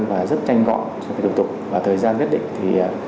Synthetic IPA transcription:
nvaː˨˩zə˦˥t̚t͡ɕa˧jŋɣɔ̰˧˨nt͡ɕɔ˧ki˨˧˩t̪̚t̪ʊ˨˩k͡p̚vaː˨˩t̪ʰəː˨˩jzaː˧nke˦˥t̚ɗḭ̈˧˨ŋ̟t̪ʰiː˨˩˨

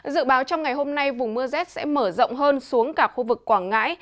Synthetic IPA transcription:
zɨ̰˧˨ɓaː˨˦wt͡ɕɔ˧wŋ͡mŋa˨˩jɦo˧mna˧jvʊ˨˩ŋ͡mmɨ˧əzɛ˦˥t̚sɛ̰˧˥məː˧˩zə̰˧˨wŋ͡mɦəː˧nsu˨˦əŋkaː˥˩k̚xu˧vɨ˨˩kːwaː˧˩nŋa̰ː˧˥j

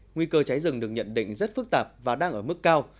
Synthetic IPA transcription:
ŋwi˧kəː˧t͡ɕa˨˦jzɨ˨˩ŋɗɨ˨˩ək̚ɲə̰˧˨nɗḭ˧˨ŋ̟zə˦˥t̚fɨ˦˥k̚t̪aː˨˩p̚vaː˨˩ɗaː˧ŋʔəː˧˩mɨ˦˥kːaː˧w

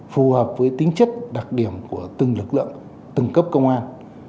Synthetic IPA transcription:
fu˨˩həː˨˩p̚vəː˨˦jt̪ï˨˦ŋ̟t͡ɕə˦˥k̚ɗa˨˩k̚ɗi˧˩əmku˧˩ət̪ɨ˨˩ŋlɨ˨˩k̚lɨ̰˧˨əŋ | t̪ɨ˨˩ŋkə˦˥p̚kə˧wŋ͡mʔaː˧n

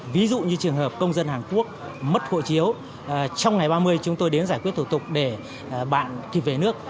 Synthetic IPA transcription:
vi˨˦zṵ˧˨ɲɨ˧t͡ɕɨ˨˩əŋɦəː˨˩p̚kə˧wŋ͡mzə˧nhaː˨˩nku˦˥ək̚ | mə˦˥t̚xo̰˧˨t͡ɕi˨˦əw | t͡ɕɔ˧wŋ͡mŋa˨˩jɓaː˧mɨ˧əjt͡ɕʊ˨˦ŋ͡mt̪o˧jɗe˨˦nzaː˧˩jkwi˦˥ət̪̚ʰu˧˩t̪ʊ˨˩k͡p̚ɗe˧˩ | ɓa̰ː˧˨nki˨˩p̚ve˨˩nɨ˦˥ək̚

